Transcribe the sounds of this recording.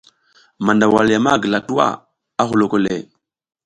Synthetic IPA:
ma˨nda˨wa˨lja˨ma˦˨ɡə˨la˨tu˦a̰˦ | a˦ɦu˨lo˨ko˦lḛ˨

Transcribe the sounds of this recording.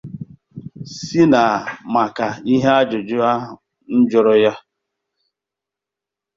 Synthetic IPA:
si˦na˨ma˨ka˨i˦ɦe˦a˦d͡ʒʊ˨d͡ʒʊ˦a˦˨ | n̩˦d͡ʒʊ˦ɾɔ˦ja˦

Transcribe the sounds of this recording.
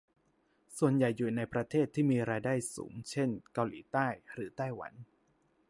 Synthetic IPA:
su˨˩ənja˨˩jːuː˨˩na˧jpɾa˧t̪ʰeː˥˩t̪ʰːiː˥˩miː˧ɾaː˧jdaː˥˩jsṵː˩˦ŋt͡ɕʰe˥˩nka˧wlḭː˩˦t̪aː˥˩jɾɯː˩˦t̪a˥˩jwa̰˩˦n

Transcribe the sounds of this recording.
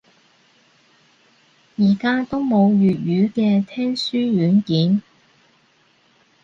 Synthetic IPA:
jiː˨˩kaː˥t̪o˥wmo˨˧wjyː˨t̚jyː˨˧kɛː˧t̪ʰɛː˥ŋsyː˥ɥyː˨˥nkiː˨˥n

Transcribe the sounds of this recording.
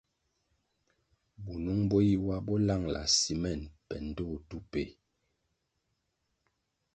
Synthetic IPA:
bu˨nu˦ŋbo˦ji˦wa˦bɔ˦la˦˨ŋla̰˨si˨mɛ˦˨npɛ˨n̩˨do˦˨tu˦pe˨

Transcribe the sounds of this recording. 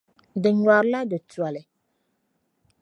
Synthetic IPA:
dɪ˨ɲwa˨ɾla˦də˨tu˨a˨lɛ˨

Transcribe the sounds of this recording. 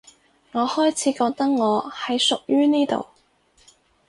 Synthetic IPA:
ŋɔː˨˧hɔː˥jt͡sʰiː˨˧˥kɔː˧k̚t̪ɐ˥k̚ŋɔː˨˧hɐ˨˥jsʊ˨k̚jyː˥niː˥t̪o̰˨˩w

